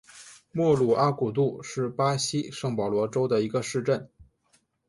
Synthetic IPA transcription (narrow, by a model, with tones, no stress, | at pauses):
mwɔ˥˩lu˨˩ʔa˥ku˨˩t̪̬u˥˧ʂɻ̩˥˩pa˥ɕi˥ʂɤ˥˩ŋpɑ˨˩lwɔ˧˥ʈ͡ʂo˥ʊd̪ə˨i˧˥ɡə˧ʂɻ̩˥˧ʈ͡ʂə˥˩n